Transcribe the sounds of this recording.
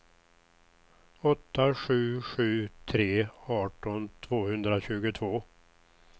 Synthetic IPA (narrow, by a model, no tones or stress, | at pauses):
ɔt̪ʰːaɧʉ̟ːɧʉ̟ːt̪ʰɾeːɑːʈɔnt̪ʰvoːhɵnd̪ɾaɕʉ̟ːɡʊt̪ʰvoː